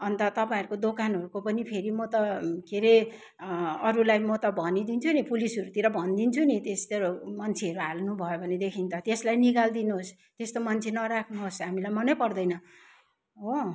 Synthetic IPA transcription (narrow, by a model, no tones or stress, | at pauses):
ʌnt̪ʌt̪ʌpaĩɾukod̪okanɦʌɾukopʌnipʰeɾimʌt̪ʌkeɾe | ʌɾulajmʌt̪ʌbʱʌnid̪int͡sʰunipulisʌɾut̪iɾʌbʱʌnd̪int͡sʰunit̪est̪eɾomʌnt͡sʰeʌɾuɦalnubʱʌjobʱʌned̪ekʰint̪ʌt̪eslajnikald̪inuɦos | t̪est̪omʌnt͡sʰenʌɾakʰnuɦosɦamilajmʌnʌjpʌrd̪ʌjnʌ | o